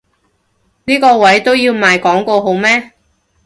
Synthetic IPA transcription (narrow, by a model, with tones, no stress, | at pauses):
niː˥kɔː˧wɐ˨˥jt̪o˥wjiː˧wmaː˨jkɔː˨˥ŋko˧wɦo˨˧wmɛː˥